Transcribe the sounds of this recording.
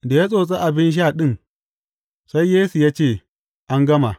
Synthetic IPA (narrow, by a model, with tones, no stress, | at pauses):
da˨ja˦sʼoː˨t͡sʼe˦ʔa˨bɪ˦nʃ̬aː˦˨ɗɪ˦n | sa˦jːeː˦su˨jaː˦t͡ʃeː˦˨ | ʔa˦ŋɡɐ˦ma˨